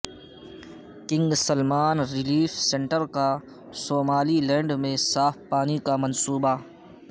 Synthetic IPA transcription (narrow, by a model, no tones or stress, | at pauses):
kɪ̃ŋɡsəlmaːnɾɪliːfsẽɳʈəɾka | soːmaːlilɛ̃ːɳɖmẽsaːfʰpaːnikamɐnsuːba